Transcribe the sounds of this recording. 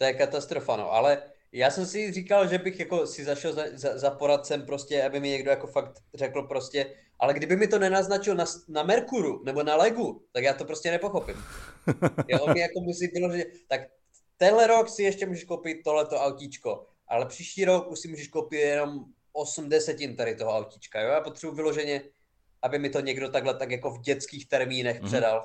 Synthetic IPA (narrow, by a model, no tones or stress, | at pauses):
t̪ojɛkat̪ast̪ɾo̞fano̰ʔa̰lɛ | jaːsɛmsɪriːkalʒɛbɪxjako̞sɪzaʃɛlzazazapo̞ɾat̪̚t͡sɛmpɾo̞scɛabɪmɪɲɛɡdojako̞fakt̪rɛkl̩pɾoscɛ | ʔalɛɡdɪbɪmɪt̪o̞nɛnaznat͡ʃɪlnasnamɛɾkuɾunɛbo̞nalɛɡut̪akjaːt̪o̞pɾoscɛnɛpoxo̞pɪm | jomɪjakomusɪvɪlo̞ʒɛɲɛt̪ak | t̪ɛnɦlɛɾo̞ksɪjɛʃcɛmuːʒɛʃkowpɪt̪̚ːo̞ɦlɛt̪o̞ʔawcit͡ʃko̞ | ʔa̰lɛpr̝̥iːʃciːɾo̞kuʃsɪmuːʒɛʃkowpɪt̪jɛno̞m | osm̩dɛsɛcɪnt̪aɾɪt̪oɦoawcit͡ʃkajojaːpot̪r̝̥ɛbuvɪlo̞ʒɛɲɛ | ʔabɪmɪt̪o̞ɲɛɡdo̞t̪aɡɦlɛt̪akjako̞vɟɛt͡skiːxt̪ɛɾmiːnɛxpr̥ɛdal